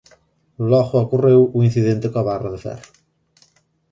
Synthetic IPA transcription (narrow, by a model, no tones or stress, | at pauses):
lɔɣʊokurewuinθiðẽnt̪ɪkoɐβaraðefɛ̰ɾ